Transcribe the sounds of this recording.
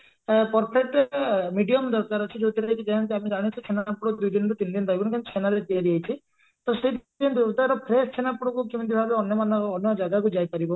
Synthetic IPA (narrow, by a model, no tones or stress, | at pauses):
pɔɾpʰek̚ʈmiɖiɔmd̪ɔɾkaɾɔt͡ʃʰid͡ʒot̪iɾaɦjt͡ʃʰid͡ʒaɦant̪iamid͡ʒaɽ̃it͡ʃʰut͡ʃʰenapuɽɔd̪ujd̪inɔɾut̪ind̪ind̪aɦibɔnkant͡ʃʰenaɾet̪ieɾiajt͡ʃʰi | t̪ɔsed̪d̪inɔd̪uɾd̪aɾɔpʰɾest͡ʃʰenapuɽɔkukimit̪ibʱabeɔnjɔmanɔːnjɔd͡ʒaɡakud͡ʒajpaɾibɔ